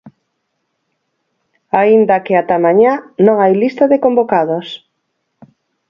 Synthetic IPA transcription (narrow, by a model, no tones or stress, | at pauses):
aind̪akɪat̪amãɲanõŋajlist̪aðekombokaðos